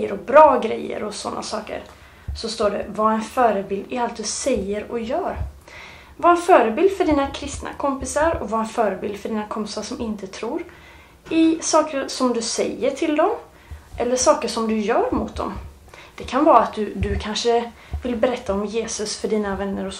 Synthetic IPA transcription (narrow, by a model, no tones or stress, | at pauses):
əɾɔbɾɑːɡɾɛjːə̰ɾɔsɔnːa̰sɑːkə̰ɾ | sɔst̪oːɖɛ̰vaɛnfœːɾəbɪld̪ɪalt̪̚d̪ɵsɛjːəɾɔjœːɾ | vaɛnfœːɾəbɪld̪fœɖiːnakʰɾɪst̪nʔa̰kʰɔmpɪsaɾɔ̰vaɛnfœːɾəbɪld̪fœɖiːnakʰɔmpɪsaʂɔmʔɪnt̪ət̪ʰɾuːɾ | ɪsɑːkəɾsɔmd̪ɵsɛ̰jːəʈʰɪld̪ɔm | ʔɛlːəʂɑːkəʂɔmd̪ɵjœːɾmʊt̪̚d̪ɔ̰m | d̪̥ɛkʰanvɑːɾaat̪̚d̪ɵd̪ɵkʰanʂə | vɪlːbɛɾɛt̪ʰːaɔmjeːsɵsfœɖiːnavɛnːəɾɔ